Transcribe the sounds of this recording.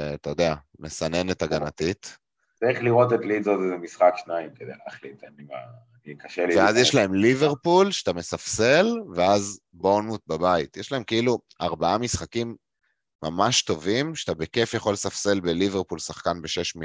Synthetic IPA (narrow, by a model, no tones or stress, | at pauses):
at̪ajo̞d̪eame̞sane̞net̪aɡanat̪it̪ | t͡saiχliʁo̞t̪et̪lizozezemisχakʃnaimked̪eaχlit̪anima̰ː | nikaʃelivveazjeʃlae̞mlive̞ʁpulʃe̥t̪ame̞safse̞lveaz | bonut̪̚babait̪jeʃlae̞mkeilu | aʁbaamisχakimː | amaʃt̪o̞vimʃe̥at̪abeke̞fjeχo̞lsafse̞lbeliveʁpulsaχkanbeʃeʃmi